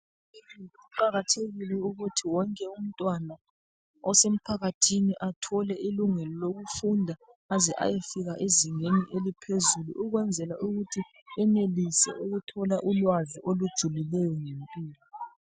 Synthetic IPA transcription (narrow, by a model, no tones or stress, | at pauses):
iiiuǃaɣatʰeɣilɛuɣutʰiwɔŋkʼɛum̩tʼwana | ɔsem̩pʰaɣatʰiniʔatʰɔlɛiluŋɛlɔloɣufundʱaːzɛʔa̰jefiɣaʔeziŋeniʔelipʰezulṵʔːɣwɛnd͡zʱɛlaʔuɣutʰi | ɛnelisɛ̰ʔuɣutʰɔlaʔulwaziʔolud̥ʒ̥ʱulilɛjɔŋempʼiːlɔ